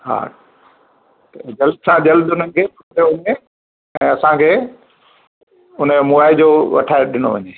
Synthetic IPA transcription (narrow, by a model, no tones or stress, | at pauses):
ɦa̰ː | t̪d͡ʑɐldsãd͡ʑɐld̪ʊnənɪ̆kʰeːpʰʊtəjoʋɐɲe | ɛ̃ːɐsãkʰeː | ʊnəmʊaːid͡ʑoːʋɐ̰ʈʰaːeɗɪno̰ʋɐɲeː